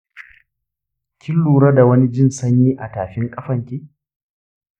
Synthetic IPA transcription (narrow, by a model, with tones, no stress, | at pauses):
kʲʰɪ˦lːuː˨ɾɐ˦da˨wɐ˦ni˦d͡ʒɪ˦nsɐ˦ɲjiː˦ʔa˨taː˨ɸɪ˦ŋkʼɐ˦ɸɐ˨ŋkʲiː˦